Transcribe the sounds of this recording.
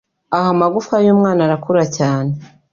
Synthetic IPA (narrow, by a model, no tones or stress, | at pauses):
ahamaɡufkajuːmŋaːnaɾakuɾacaːne